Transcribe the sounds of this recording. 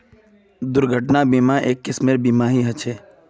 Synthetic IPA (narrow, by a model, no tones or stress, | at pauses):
d̪ʊɾɡʱəʈnabiːmaʔeːkːɪsmeɾbiːmaːɦiɦɐt͡ʃʰeː